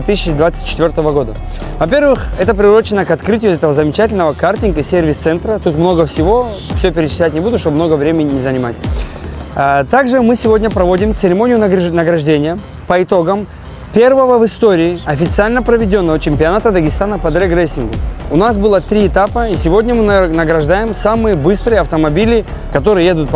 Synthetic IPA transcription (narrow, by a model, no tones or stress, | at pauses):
t̪ɨsʲɪt͡ɕɪd̪vat̪sɨ̥t̚ʲt͡ɕɪ̥t̪vʲo̞rt̪əvəɡo̞d̪ə | vɐpʲe̞rvɨxɛt̪əpɾʲɪʊɾo̞t͡ɕɪnːəkɐt̪kɾɨtʲɪjʊɛt̪əvəzəmʲɪt͡ɕatʲɪlʲnəvəkartʲɪnɡɨsʲervʲɪst̪sɛnt̪ɾət̪ut̪mno̞ɡəfsʲɪvo̞ | fsʲopʲɪɾʲɪt͡ʃɪ̥sʲlʲætʲnʲɪbud̪ʊʂt̪obmno̞ɡəvɾʲemʲɪnʲɪnʲɪzənʲɪmatʲ | t̪aɡʐɨmɨsʲɪvo̞dʲnʲəpɾɐvo̞dʲɪmt̪sɨɾʲɪmo̞nʲɪjʊnəɡɾɐʐdʲenʲɪjə | pəɪt̪o̞ɡəm | pʲe̞rvəvəvɨst̪o̞ɾʲɪːɐfʲɪt̪sɨalʲnəpɾəvʲɪdʲo̞nːəvət͡ɕɪmʲpʲɪɐnat̪əd̪əɡʲɪst̪anəpəd̪ɾɛɡɾɛsʲːɪnɡʊ̰ʊnasbɨlˠət̪ɾʲiɪt̪apəisʲɪvo̞dʲnʲəmɨnəɡɾɐʐd̪ajɪmsamɨjəbɨst̪ɾɨjəɐft̪əmɐbʲilʲɪ | kɐt̪o̞ɾɨjəjed̪ʊt̪̚p